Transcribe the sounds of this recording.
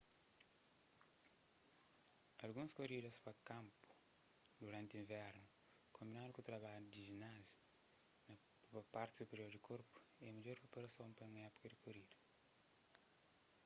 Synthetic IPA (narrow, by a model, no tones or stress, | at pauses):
ɐlɡũnskoɾid̪ɐspɐkɐ̃mpu̥ | d̪uɾɐ̃nt̪ĩɱvɛɾnu | kʰõmbinãd̪ukut̪ɾɐβaʎud̪iʒinazju̥ | nɐ | pɐpaɾt̪i̥supeɾioɾd̪ikʰoɾpu̥ | ɛɐmɐʎoɾpopulɐsɐ̃w̃pɐ̃ŋɐɛpu̥kɐd̪ikoɾid̪ɐ